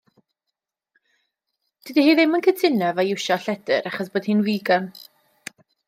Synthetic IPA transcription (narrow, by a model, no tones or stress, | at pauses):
d̥idihiːðɪmənkʰətʰɪnɛvajɪwʃɔɬɛd̥ə̰ɾaχɔs̬b̥oːd̥hɨːnwiːɡɔn